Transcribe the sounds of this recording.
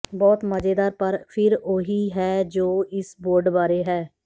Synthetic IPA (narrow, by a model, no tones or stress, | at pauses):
bɔːt̪məd͡ʒeːd̪aːɾpəɾpʰɪɾoːɦiːɦɛːd͡ʒoːɪsboːɾɖbaːɾeːɦɛː